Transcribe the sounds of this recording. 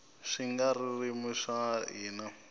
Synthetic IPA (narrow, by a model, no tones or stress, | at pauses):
ʂiŋɡaririmiʂaɦiːna